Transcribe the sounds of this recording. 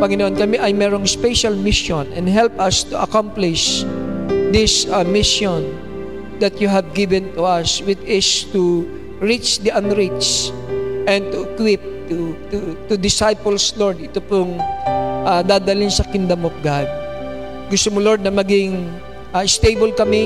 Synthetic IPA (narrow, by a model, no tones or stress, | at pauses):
pɐŋɪnoʔonkɐmɛʔɐjmɛːɾoŋspɛʃɐlmɪʃõnʔɛ̰̃nd̪ɦɛlpɐst̪uʔɐ̰kamplɪʃ | d̪ɪsamɪʃon | d̪ɐt̪juɦɐvɡɪvɛnt̪uʔɐswɪd̪ɪst̪u | ɹit͡ʃd̪iʔɐnɹit͡ʃt͡ʃ | ʔɛ̃nd̪̚t̪uɪkwɪp̚t̪ut̪ut̪ʊd̪ɪsajpolsloɹd̪ʔɪt̪opʊŋʔad̪aːd̪alɪnsɐkɪnd̪ɐmɔf̚ɡad̪̚ | ɡʊst̪omoloɹd̪̚nɐmɐɡɪŋ | ʔaɪst̪ejbolkɐmɛ